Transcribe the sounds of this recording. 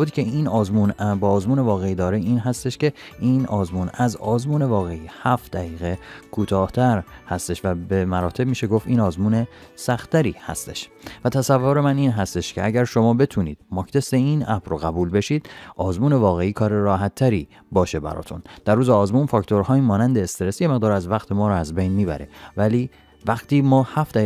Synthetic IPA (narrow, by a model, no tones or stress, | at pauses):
ud̪icʰe̞iːnɒːzmunbɒːzmuːnevɒːɣeiːd̪ɒːɾeiːnɦæst̪e̞ʃce̞iːnɒːzmuːnæzɒːzmuːne̞vɒːɣe̞ihæft̪d̪æɣiːɣe̞kʰuːt̪ʰɒːht̪ʰæɾhæst̪e̞ʃvæbemæɾɒːt̪ʰe̞b̚miːʃe̞ɡo̞ft̪iːnɒːzmuːne̞sæxt̪ːæɾiːhæ̰st̪e̞ʃvæt̪ʰæsævːoɾemæniːnɦæst̪eʃcʰeæɟæɾʃo̞mɒːbe̞t̪ʰuːniːd̪mɒkt̪ʰe̞seiːnæbɾoɣæbuːlbe̞ʃiːd̪̥ʔɒːzmuːne̞vɒːɣe̞iːkʰɒːɾeɾɒːɦæt̪ʰːæɾiː | bɒːʃe̞bæ̰ɾɒ̰ːt̪ʰṵnd̪̥æɾruːzeɒːzmuːnfɒːkt̪ʰo̞ɾhɒːiːmɒːnænd̪eːst̪eɾe̞sjeme̞ɣd̪ɒːɾæzvæqt̪ʰemɒːɾɔæzbejnmiːbæ̰ɾevæliː | væɣt̪ʰiːmɒːhæfd̪æ